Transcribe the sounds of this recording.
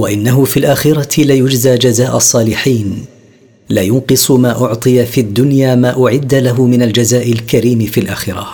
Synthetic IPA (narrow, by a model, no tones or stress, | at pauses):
waʔɪnːaɦʊfiːlʔaːxɪɾˤɑlajʊd͡ʒzaːd͡ʒazaːʔɑsˤːɑːlɪħiːn | laːjʊnqɨsˤmaːʔʊʕt̪ˤɨjafiʔad̪ːʊnjaːmaːʔʊʕɪd̪ːalaɦʊmɪnald͡ʒazaːʔɪlkaɾiːmɪfiːlʔaːxɪɾˤɑ̰